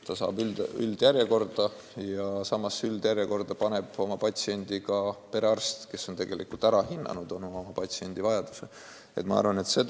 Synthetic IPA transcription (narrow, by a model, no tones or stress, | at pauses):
t̪ɑsɑ̰ːbyld̪yld̪̥jæɾjeko̞rd̪̥ɑ | jɑsɑmːɑsyld̪̥jæɾjeko̞rd̪̥ɑpɑne̞b̥o̞mɑpɑt̪ʲsie̞nʲd̪̥ʲikɑpe̞ɾeɑrst̪ke̞so̞nt̪e̞ɡ̥e̞lʔḭkult̪æɾɑhinːɑ̰nud̪o̞momɑpɑt̪ʲsie̞nʲd̪̥ivɑjɑd̪̥use | e̞̰t̪mɑɑ̰rvɑne̞t̪se̞d̪